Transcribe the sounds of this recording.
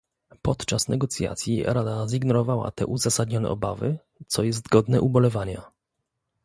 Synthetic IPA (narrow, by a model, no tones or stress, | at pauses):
pɔt̪t͡ʂasnʔɛɡɔt̪sʲja̰t̪sʲjiɾad̪aziɡnɔɾɔvawa̰t̪ɛ̰ʔuzasad̪ɲɔnɛ̰ɔbavɘ̰ | t̪sɔjɛst̪ɡɔd̪nɛʔubɔlɛvaɲa